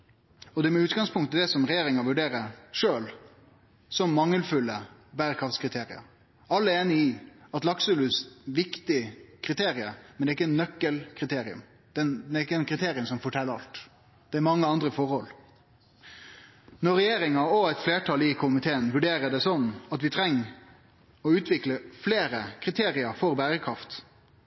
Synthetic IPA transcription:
ɔd̪ɛæɾmɛʉːt̪ɡɑŋspʰʊŋkt̪d̪ɛsɔmɾɛjeːɾɪŋɑʋʉɖeːɾəʂøːl | sɔmːɑŋːəlfʉlːəbæɾəkʰɑft̪skʰɾɪt̪ʰeːɾɪɑ̰ | ɑlːəeːnɪɪɑt̪lɑksəlʉsʋɪkt̪ɪkʰɾɪt̪ʰeːɾɪəmɛnd̪ɛɪkːəɛnnœkːəlkʰɾɪt̪ʰeːɾɪʉ̰m | d̪̥ɛnd̪ɛɪkːəɛnkʰɾɪt̪ʰeːɾɪəmsɔmfɔʈʰɛlːəɾɑlt̪ | d̪̥ɛæɾmɑŋːəɑnd̪ɾəfɔɾhɔl | nɔɾɛjeːɾɪŋɑɔæt̪fleːʈʰɑːlɪkʰʊmɪt̪ʰeːənʋʉɖeːɾəd̪ɛsɔnːɑt̪ʋɪt̪ʰɾɛŋː | ɔʉːt̪ʋɪkləfleːɾəkʰɾɪt̪ʰeːɾɪɑɾfɔɾbæːɾəkʰɾɑft̪

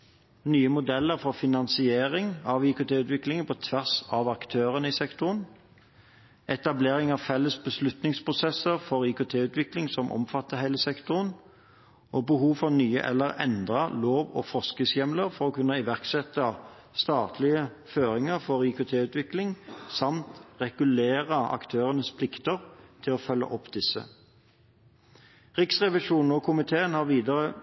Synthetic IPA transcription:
nyːəmʊd̪ɛlːəʁfɔʁfɪnɑnsɪeːʁɪŋɑʋɪkʊt̪ʰeːʉːt̪ʋɪklɪŋənpʰɔt̪ʰʋæʁsɑʋɑkt̪ʰøːʁənɪsɛkt̪ʊʁən | ʔɛt̪ɑbleːʁɪŋɑʋfɛlːəsbəslʉt̪nɪŋspʰʁʊsɛsəʁfɔʁɪkʊt̪ʰeːʉːt̪ʋɪklɪŋsɔmʔɔ̰mfɑt̪ːəhæɪləsɛkt̪ʊʁən | ʔoːbəɦuːʋfɔʁnyːə̰ʔɛ̰lːəʁɛ̰nd̪ʁəloːʋo̰ːfɔskəsjɛmləʁfɔʁɔːkʉnːəɪʋæʁksɛt̪ːə | st̪ɑːt̪ʰlɪə | føːʁɪŋəʁfɔʁikʊt̪ʰeːʉːt̪ʋɪklɪŋsɑmt̪ʁɛɡ̥ʉleːʁəʔɑ̰kt̪ʰøːʁənəspʰlɪkt̪əʁt̪ʰɪloːfœlːə̰ʔɔpːd̪ɪsə̰ | ʁɪksʁɛʋɪʂuːnn̩ɔkʰʊmɪt̪ʰeːənhɑːʁʋiːd̪ɑʁə

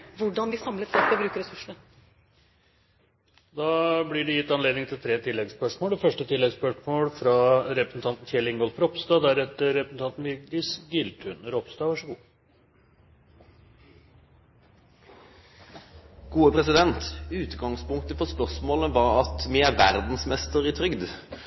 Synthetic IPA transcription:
ʋʊɖɑnd̪ɪsɑmlət̪sɑːkɔbɾʉːkəɾɛsʉʂənə | d̪ɑːblɪɖɪjɪt̪ːɑnleːd̪nɪŋt̪ʰɪlt̪ʰɾeːt̪ʰɪlːɛɡspœʂmoːlfœʂʈət̪ʰɪlːɛɡspœʂmoːlfɾɑɾɛpɾəsn̩t̪ʰɑnt̪n̩çɛlɪŋɡɔlfɾɔpst̪ɑːd̪æɾɛt̪ːəɾɛpɾəsn̩t̪ɑnt̪n̩ʋɪd̪ɪsɡʏlt̪ʰʉnəɾɔpst̪ɑːʋɑʂəɡuː | ɡ̥uːəpʰɾɛsɪd̪ɛnt̪ʉːt̪ɡɑŋspʊŋk̚t̪əfɔspœʁsmoːləʋɑɾɑt̪mɪæɾʋæɾd̪n̩smɛst̪əɾɪt̪ʰɾʏɡd̪

